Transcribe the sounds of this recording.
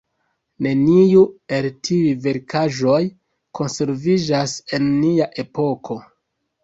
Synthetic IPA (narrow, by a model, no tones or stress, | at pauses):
ne̞nijue̞ltʰiive̞ɾkʰaʒo̞j | kʰo̞nse̞ɾvid͡ʒase̞nːiaʔe̞po̞kʰo̞